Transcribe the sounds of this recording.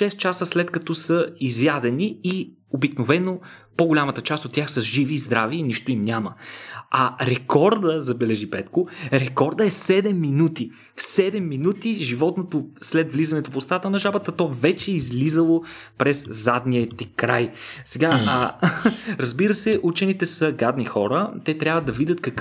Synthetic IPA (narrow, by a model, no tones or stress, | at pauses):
ʃɛst̪t͡ʃasəslɛt̪kɐt̪ɔsəizjad̪ɛnii | obiknovɛnopoɡʊlʲamət̪ət͡ʃast̪ot̪ːʲjaxsɐʒiviːzd̪ɾaviːniʃt̪ʊimnʲaməɐɾɛkɔɾd̪əzɐbɛlɛʒipɛt̪kʊɾɛkɔɾd̪əɛsɛd̪ɛmːinut̪i | fsɛd̪ɛmːinut̪iʒivɔt̪not̪oslɛd̪vlizɐnɛt̪ofʊst̪at̪ənɐʒabət̪ət̪ɔvɛt͡ʃɛizlizəlˠopɾɛzzad̪niət̪ikɾajsɛɡa | ɾɐzbiɾəsɛʔut͡ʃɛnit̪ɛsɐɡad̪nixɔɾət̪ɛt̪ɾʲavəd̪ɐvid̪ʲət̪kɐk